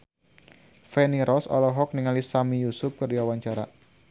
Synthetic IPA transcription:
fɛniɾɔsɔ̰lɔɦɔk̚niŋalisamijusʊp̚kərdiawaɲt͡ʃaɾa̰

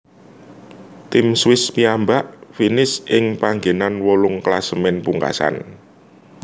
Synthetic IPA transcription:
t̪ɪmswɪspiambaʔfinɪsɪŋpaŋɡenanwɔlʊŋklasəmɪnpuŋka̰sa̰n

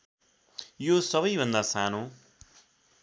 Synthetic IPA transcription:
josʌβʌjbʱʌnd̪asanõ

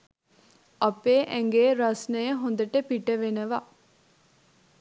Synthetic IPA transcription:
əpeːʔɛ̃ŋɡeːɾɐsnəjəɦond̪əʈəpiʈəʋenəʋa

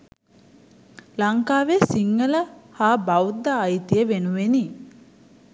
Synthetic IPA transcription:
laŋkaːʋesiŋːələhaːbawd̪aːjt̪ijəʋenuʋeni

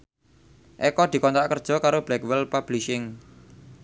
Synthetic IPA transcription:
ʔɛkɔd̪̥i̤kɔnt̪ɾaʔkərd̥ʒ̥ɔ̤kaɾob̥lɛkwɛlpab̥liʃɪŋ

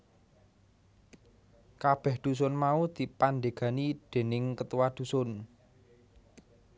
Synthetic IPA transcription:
kab̥ɛhd̪̥ṳs̬ʊnmaud̪̥i̤pand̪e̤ɡ̥a̤nid̪̥e̤nɪŋkət̪uwad̪̥ṳsʊn

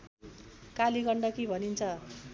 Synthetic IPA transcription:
kalikʌɳɖʌkibʱʌnint͡sʰʌ

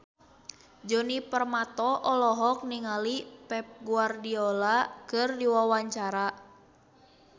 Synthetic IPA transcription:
d͡ʒɔnipərmat̪ɔʔɔlɔɦɔk̚niŋalipɛp̚ɡuardiɔlakɨrdiwawaɲt͡ʃaɾa

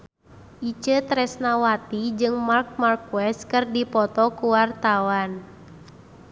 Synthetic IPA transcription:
ʔit͡ʃət̪ɾɛsnawat̪id͡ʒɨŋmark̚markwɛst̪kɨrdipɔt̪ɔkuwart̪awan

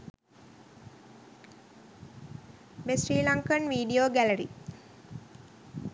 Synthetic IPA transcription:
besriːlaŋkənʋiːɖijoːɡæləɾḭ

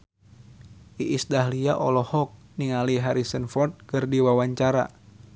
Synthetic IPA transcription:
ʔiʔisdaɦliaʔɔlɔhɔk̚ | niŋaliɦaɾisənfɔrt̪̚kərdiwawaɲt͡ʃaɾa̰

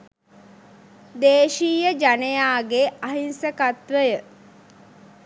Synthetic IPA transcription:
d̪eːʃiːjəd͡ʒanejaːɡeaɦinsəkat̪ʋəjə

